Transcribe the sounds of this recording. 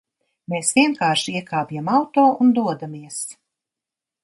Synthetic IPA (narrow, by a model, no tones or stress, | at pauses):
meːsvʲiɛnkaːɾʃiiɛkaːpjamawt̪oːund̪uɔd̪amiɛs